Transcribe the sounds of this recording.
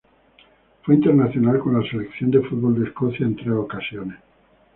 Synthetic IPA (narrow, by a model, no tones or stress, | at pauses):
fweint̪eɾnaθjo̞nalko̞nlaselekθjond̪efud̪̚βo̞ld̪eskoθjaent̪ɾeokasjones